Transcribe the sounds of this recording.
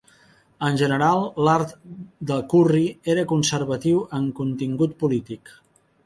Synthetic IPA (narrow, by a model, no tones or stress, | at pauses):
ənʲʒənəɾalˠlaɾt̪d̪əlˠkurieɾəkunsəɾβət̪iwəŋkunt̪iŋɡut̪̚pulit̪ik